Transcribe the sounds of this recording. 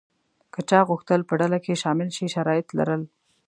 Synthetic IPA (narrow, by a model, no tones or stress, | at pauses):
kət͡ʃɑɣʊxt̪əlpəɖalakeʃɑmɪlʃiʃaɾɑjɪt̪la̰ɾəl